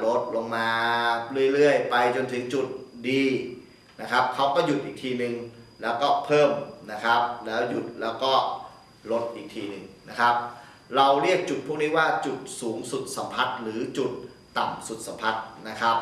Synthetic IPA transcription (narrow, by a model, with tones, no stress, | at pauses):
lo˦˥t̪̚lo˧ŋmaː˧ɾi˥˩əjlɯ˥˩əjpa˧jt͡ɕo˧nt̪ʰɯ˩˦ŋt͡ɕu˨˩t̪̚diː˧ | na˦˥kʰa˦˥p̚kʰa˦˥wkɔː˥˩ju˨˩t̪ʔiː˨˩t̪ʰiː˧nɯ˨˧ŋlɛː˦˥wkɔː˥˩pʰɤː˥˩mna˦˥kʰa˦˥p̚lɛː˦˥wju˨˩t̪̚lɛː˦˥wkɔː˥˩ | lo˦˥t̪̚ʔiː˨˩k̚t̪ʰiː˧nɯ˨˩ŋna˦˥kʰa˦˥p̚ | ɾa˧wɾi˥˩ək̚t͡ɕu˨˩t̪̚ʰu˥˩əkniː˦˥waː˥˩t͡ɕu˨˩t̪̚suː˩˦ŋsu˨˩t̪̚sa˩˦mpʰa˦˥t̪̚ɾɯː˩˦t͡ɕu˨˩t̪̚ː | a˨˩msu˨˩t̪̚sa˨˦mpʰa˦˥t̪̚na˦˥kʰa˦˥p̚